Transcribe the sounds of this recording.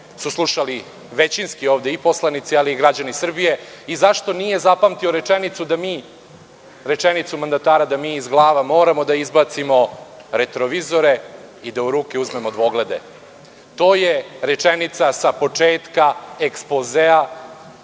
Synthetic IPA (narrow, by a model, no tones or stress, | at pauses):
suslˠuʃali | ʋe̞t͡ɕinskioːʋd̪e̞ipo̞slˠanit̪sialiːɡɾad͡ʑanisr̩bije̞ | izaʃt̪onije̞zapamt̪ioɾe̞t͡ʃenit̪sud̪amiː | ɾe̞t͡ʃenit̪sumand̪at̪aːɾad̪amiːzɡlˠaːʋamo̞ːɾamo̞d̪aizbat̪simo̞ɾe̞t̪ɾoʋizo̞ɾe̞ | id̪auɾuːkeuzme̞mod̪ʋo̞ɡle̞d̪e̞̰ | t̪o̞ːjeɾe̞t͡ʂenit̪sasapo̞t͡ʂeːt̪kaekspozea